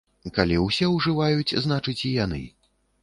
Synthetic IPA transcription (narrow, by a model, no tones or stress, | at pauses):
kalʲiwsʲɛwʐɨvajut͡sʲznat͡ʂɨt͡sʲijanɨ̰